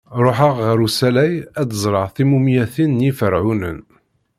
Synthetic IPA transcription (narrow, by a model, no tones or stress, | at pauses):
ɾˤoħəʁʁəɾusælæjæd̪əzˤɾˤəʁθimumjæθinːjifəɾʕunə̰n